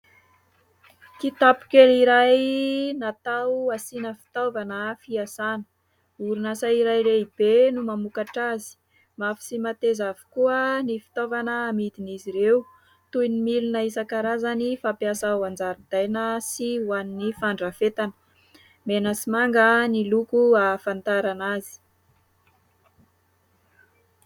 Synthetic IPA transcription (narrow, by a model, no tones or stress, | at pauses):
k̪it̪apu̥kʲeliɾajnat̪awasinəfi̥t̪ovanəfiasanə̥ | uɾunasaiɾajɾeib̥enumamukaʈ͡ʂazi̥ | mafi̥simat̪ezavi̥kuənifi̥t̪ovanəːmid̪iniziɾew | t̪ujnimilunəisakaɾazanifapjasauand͡zaɾid̪̥ajnəsiwaninifaɳɖ͡ʐafet̪anə̥ | menəsimaŋɡənilukuafant̪aɾanazi̥